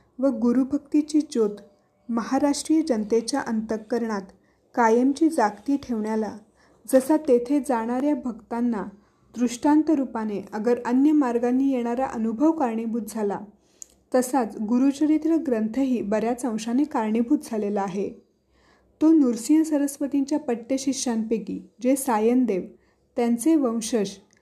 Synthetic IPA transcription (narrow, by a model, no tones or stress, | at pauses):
ʋəɡuɾubʱək̚t̪it͡ɕiːd͡ʑot̪ | məɦaɾaʂʈɾijəd͡ʑənt̪et͡ɕjaʔənt̪əkːəɾɳat̪ | kajəmt͡ɕiːd͡zakt̪iːʈʰeʋɳjala | d͡zəsat̪et̪ʰed͡zaɽ̃aɾjabʱəɡt̪anːa | d̪ɾuʂʈant̪əɾupaneʔəɡəɾənjəmaɾɡanːiːjeɽ̃aɾaʔənubʱəʋkaɾɳebʱut̪̚d͡zʱala | t̪əsat͡sɡuɾut͡ɕəɾit̪ɾəɡɾənt̪ʰəɦiːbəɾjat͡sə̃w̃ɕanekaɾɳebʱut̪̚d͡zʱalelaaɦe | t̪onuɾsijəsəɾəsʋət̪iɲt͡ɕjapəʈːeɕiɕanpekiːd͡ʑesajənd̪eʋ | t̪jant͡seʋə̃w̃ɕəɕ